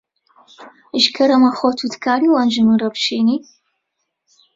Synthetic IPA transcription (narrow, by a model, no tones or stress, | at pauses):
ʒkʰɐɾɐmɐχʷɔtʰudkʰaːɾiːwaːnd͡ʒɨmɨɾɐpʃeːniː